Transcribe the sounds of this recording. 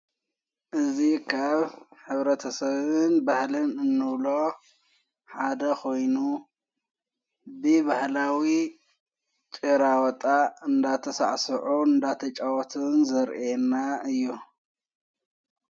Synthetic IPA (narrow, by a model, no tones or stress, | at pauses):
ʔɨzikʰaβħɨβɾɐt̪ʰɐsɐβɨnbahlɨnɨnːɨβlo̞ | ħad̪ɐkʰo̞jnu | bɨβahlawi | t͡ʃʼiɾawɔt̪ʼaɨnd̪at̪ʰɐsa̰ʕsɨʕuɨnd̪at̪ʰɐt͡ʃʼawɔt̪ʰɨnzɐɾʔenːaɨjːu